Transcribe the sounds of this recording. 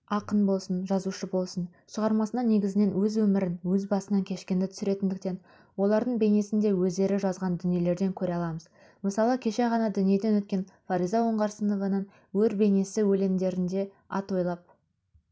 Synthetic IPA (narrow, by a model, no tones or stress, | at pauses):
ɑqənbo̞lˠsənʒɑzuʃəbo̞lˠsən | ʃəʁɑɾmɑsənɑne̞ɡʲɪzɪne̞nwɵzwɵmɪɾɪnwɵzbɑsənɑŋkʲʰe̞ʃkʲe̞nd̪ɪt̪ʰʏ̥sɪɾe̞t̪ɪnd̪ɪk̚t̪e̞n | wo̞lˠɑɾd̪əɴbe̞jne̞sɪnd̪e̞wɵzd̪e̞ɾɪʒɑzʁɑnd̪ʏnije̞le̞ɾd̪e̞ŋkʲʰɵɾeɑlˠɑməz | məsɑlˠəkʲʰe̞ʃe̞ʁɑnɑd̪ʏnije̞d̪e̞nwɵt̪̚kʲe̞nfɑɾijzɑwo̞ɴʁɑɾsəno̞vɑnən | wɵɾbe̞ne̞sɪwɵle̞md̪e̞ɾɪnd̪e̞ | ɑ̰t̪o̞jlˠɑp̚